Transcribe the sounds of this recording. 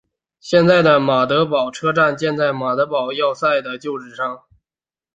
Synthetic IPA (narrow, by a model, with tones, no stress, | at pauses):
ɕjɛ˥˧nt͡sa˥˩ɪd̪ə˩ma˨˩t̪ɤ˧˥pɑ˨˩ʊʈ͡ʂʰɤ˥ʈ͡ʂa˥˧nt͡ɕjɛ˥˧nt͡sa˥˩ɪma˨˩t̪ɤ˧˥pɑ˨˩ʊjɑ˥˧ʊsa˥˩ɪd̪ə˩t͡ɕjo˥˧ʊʈ͡ʂɻ̩˨˩ʂɑ˥˩ŋ